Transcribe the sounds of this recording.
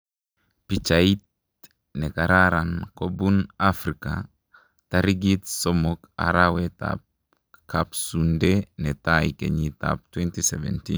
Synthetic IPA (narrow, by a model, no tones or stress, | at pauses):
pit͡ʃait̚ | nɛkaɾaɾankobunafɾika̰ | taɾiɡitsomoka̰ɾawɛta̰p̚ | kʰapsundenɛtajkḛɲita̰p̚twɛntisɛvɛ̰ntin